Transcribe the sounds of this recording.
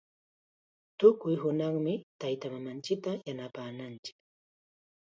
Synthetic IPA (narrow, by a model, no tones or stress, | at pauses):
t̪ʊkʊjɦʊnɑχmɪt̪ajt̪amamant͡ʃɪk̚t̪ajanapaːnant͡ʃɪ̥k